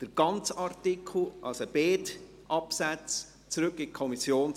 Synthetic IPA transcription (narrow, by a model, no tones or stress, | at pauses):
d̥əɾɡ̥ɑnt͡sɑɾtɪkʰl̩ʔɑlsəb̥eːt | ʔɑpsæt͡s | t͡sɾʏkɪkʰɔmisjoːn